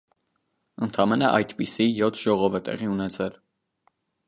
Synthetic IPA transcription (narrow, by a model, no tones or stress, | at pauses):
ənt̪ʰɑmɛnəʔɑ̰jt̪pisijɔt̪ʰʒ̥ɔʁɔvɛt̪ɛ̰ʁiunɛt͡sʰɛl